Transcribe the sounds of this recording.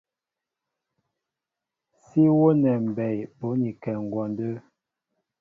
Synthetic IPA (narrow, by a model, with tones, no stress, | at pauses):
si˦wo˦nɛ˨m̩˨bɛ˨jpo˨˦ni˨kɛ˨ŋ˨ɡwɔ˨ndə˦